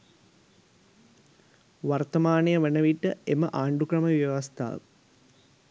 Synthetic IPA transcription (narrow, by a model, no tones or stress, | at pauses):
ʋart̪ɐmaːnɐjəʋenəʋiʈːəeməʔaːɳɖukrɐməʋjɐʋast̪ʰa̰ːʋə